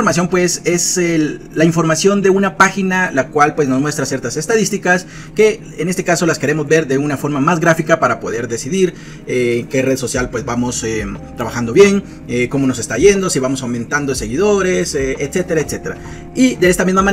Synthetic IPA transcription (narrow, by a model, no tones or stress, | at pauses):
oɾmasjo̞mpwese̞se | laiɱfo̞ɾmasjo̞nd̪e̞unapaxinalakwalpwe̞zno̞zmwe̞st̪ɾasje̞ɾt̪ase̞st̪aðist̪ikas | ke̞ | enest̪e̞kaso̞laske̞ɾe̞mo̞zβe̞ɾðe̞unafo̞ɾmamazɣɾafikapaɾapo̞̰ðe̞ɾðe̞siðiɾ | eːŋke̞re̞ðso̞sjalpwe̞zbamo̞set̪ɾaβaxand̪o̞βje̞ŋ | eko̞mo̞no̞s̬e̞st̪aʝe̞nd̪o̞siβamo̞sawmẽ̞nt̪and̪ose̞ɣiðo̞ɾe̞seet̪se̞t̪e̞ɾaet̪se̞t̪eɾa̰ | iðe̞est̪amizmaman